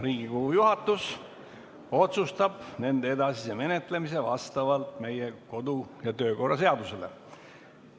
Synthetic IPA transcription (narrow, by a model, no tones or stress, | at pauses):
riːɡikoɡujuhɑt̪ːˑus | o̞t̪sust̪ɑb̥ne̞nd̪ee̞d̪ɑsiseme̞ne̞t̪ˑle̞mise̞vɑ̰st̪ɑvɑlt̪me̞jeko̞d̪ujɑt̪ø̞ːko̞rːɑse̞ɑd̪use̞le̞̰